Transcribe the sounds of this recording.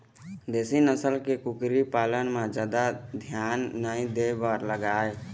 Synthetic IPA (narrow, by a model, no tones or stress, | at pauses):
d̪eːsinəsəlkekʊkɾipaːlənmẽd͡ʒaːd̪ad̪ʱjaːnːəĩd̪ebəɾləɡaːe